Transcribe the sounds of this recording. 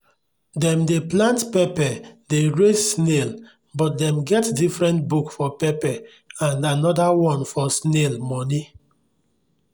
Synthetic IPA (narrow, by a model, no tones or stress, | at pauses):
dɛ̃mdeplãntpɛpɛdeɹessnel | bɔt̚dɛ̃mɡɛtdifɹɛ̃ntbukfɔpɛpɛ | ãnanɔdawɔ̃nfɔsnelmɔni